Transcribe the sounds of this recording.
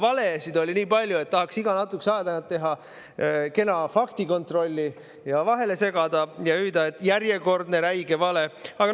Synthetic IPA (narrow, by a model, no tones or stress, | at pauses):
vɑle̞sid̪o̞lʲiniːpɑlʲjue̞t̪̚ːɑɦɑksiɡ̥ɑnɑt̪ːˑuksɑːd̪ɑnt̪t̪ːeɦɑ | ke̞nɑfɑkt̪iko̞nt̪ro̞lʲːi | jɑvɑɦe̞le̞se̞ɡ̥ɑd̪̥ɑjɑyːd̪ɑet̪ːˑjæɾje̞ko̞rd̪ne̞ɾæjɡe̞vɑle̞ɑɡ̥ɑ